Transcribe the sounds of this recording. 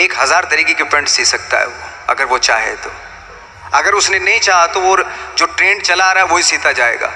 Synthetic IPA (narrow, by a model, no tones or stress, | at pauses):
eːkɦɐzaːɾt̪ɐɾiːkekipɛ̃ɳʈsiːsɐk̚t̪a̰ɦɛ̰ʋoɐ̰ɡəɾʋot͡ʃa̰ːɦḛt̪oː | ɐɡəɾʊsnenɐɦĩt͡ʃaːɦat̪oʋoːd͡ʒoːʈɾẽːɳt͡ʃɐlaːɾaːɦɛʋoɦisiːt̪ad͡ʒaːḛːɡa̰ː